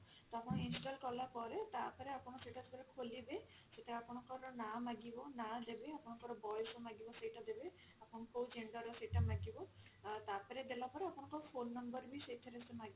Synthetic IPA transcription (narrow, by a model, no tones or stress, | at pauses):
t̪ɔapɔninsʈɔlkɔlapɔɾɛt̪apaɾɛapɔnɔsejʈatpaɾɛkʰolibe | setaapɔnɔkɔɾɔnamaɡibɔnad̪ebeapʊnɔkɔɾɔbɔjɔsɔmaɡibɔsejʈad̪ebe | apʰɔnkowd͡ʒeɳɖɔɾɔsejʈamaɡibɔ | t̪apaɾɛd̪ebapɔɾɛapɔnɔkɔpʰonːɔmbɔɾbisejʈʰaɾɛsemaɡib